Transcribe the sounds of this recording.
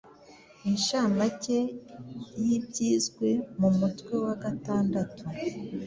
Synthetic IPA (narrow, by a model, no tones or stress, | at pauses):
inʃamace̞ | jibɟiːzɡwe̞mumutwe̞waɡataːndatʰu